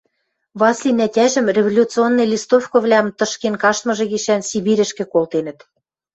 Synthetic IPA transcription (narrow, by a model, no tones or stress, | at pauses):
βɑslʲinætʲæʒə̆mrʲevolʲut̪t͡sɨonːɤ̆jlʲist̪ofkŏβlʲæmt̪ɤ̆ʃkenkɑʃt̪mɤ̆ʒĕɣiʃænsiβiɾɘ̆ʃkĕkolt̪enə̆t̪